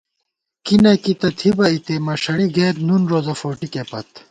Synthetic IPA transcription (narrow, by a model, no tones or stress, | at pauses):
kinɐkit̪ɐt̪ʰibɐit̪emɐʂɐɽiɡeːɾnunɾoːzɐfoːʈikepɐ̰t̪